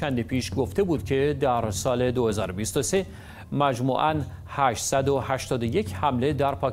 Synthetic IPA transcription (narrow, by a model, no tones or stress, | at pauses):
ænd̪ipiːʃɡoft̪e̞buːd̪̥cʰe̞d̪æɾsɒːle̞d̪ohe̞zɒ̰ːɾobiːst̪ose̞ | mæd͡ʒmṵːʔæn | hæːʃsæd̪o̞hæʃt̪ɒːd̪oje̞cʰhæmle̞d̪æɾpʰɒː